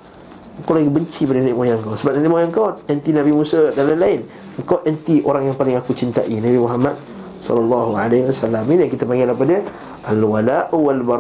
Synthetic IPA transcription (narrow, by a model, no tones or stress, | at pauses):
əŋkawlaɡibəɲt͡ʃipadəniʔmojaŋkawsəbaʔ̚naniʔmojaŋkawɛnt̪inabimusadalanlaɪn | əŋkawʔ̪ɛnt̪iʔoɾaŋjaŋpalɪŋakut͡ʃint̪aʔinabimuɦamat̪̚ | sɔ̰lalːɑɦualaiwasalaminakit̪apaŋɡɪlahp̬ada | ʔalwalaʔwalba